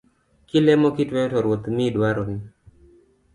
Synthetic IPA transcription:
kɪlɛmɔkɪtwɛtɔɾwot̪midwaɾɔnɪ

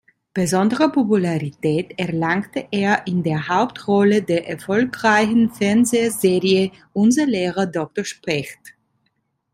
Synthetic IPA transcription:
b̥əzɔndəʁəpopulaʁitɛːtɛɐlaŋktəʔeːɐʔɪndeːɐhaʊp̚tʁɔlədeːɐʔɛɐfɔlkʁaɪçn̩fɛɐnzeːzeːʁiə | ʔʊnzɐleːʁɐdɔk̚toɐʃpʁɛxt

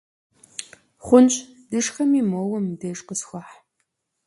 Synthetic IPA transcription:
χʷʊnt͡ʃʼ | d̥ɨʂxɐmiːmoːwɐmdeʂʼqəsxʷɑħ

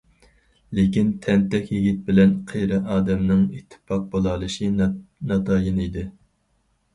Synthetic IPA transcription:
lekʲint̪ʰɛnt̪ɛkʲjiɡʲit̪̚bɪlɛnqʰejɾɪʔɑːd̪ɛmnɪŋit̪ʰːɪ̥pɑq̚bolˠɑlˠɨʃinɑt̪ʰɑːjinid̪ɪ

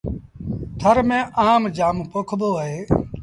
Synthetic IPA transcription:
t̪ʰəɾmẽːʔaːmd͡ʒaːmpokʰboːɦeː

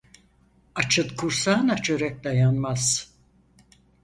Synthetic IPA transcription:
at͡ʃʰɯt̪kʰuɾsaːnat͡ʃʰøɾɛk̚d̪ajanmaz̥

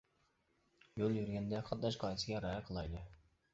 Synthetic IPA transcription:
jolˠjyɾɡʲɛnd̪ɛχʰɑt̪̚d̪ɑʃqɑjsɪɡʲɛɾɑjɑqʰəlˠɑjd̪ɨ

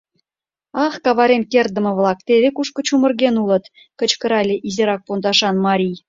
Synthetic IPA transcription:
ɑχkɑβɑɾemkerd̪ə̆mɤ̆βlˠɑk̚t̪eβʲekuʃkɤ̆t͡ɕumə̆rɡʲenulˠɤ̆t̪ | kə̆t͡ɕkə̆ɾɑlʲeʔizeɾɑk̚pond̪ɑʃɑnmɑɾʲij

